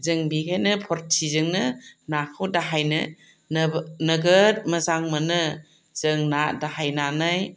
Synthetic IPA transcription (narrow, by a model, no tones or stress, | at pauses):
zɯŋbikʰajnɯpʰɔɾtʰizɯŋnɯnakʰɯwdaɦajnɯ̰ | nnɐɡət̚mɐzaŋmɐnɯ | z̥ɯŋnadaɦajnanaj